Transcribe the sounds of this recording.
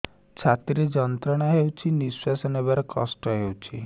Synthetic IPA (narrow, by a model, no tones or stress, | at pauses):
t͡ʃʰat̪ɾed͡ʒɔnt̪ɾɔɽ̃aɦewt͡ʃʰiniswasɔnebaɾɔkɔ̰sʈɔɦewt͡ʃʰi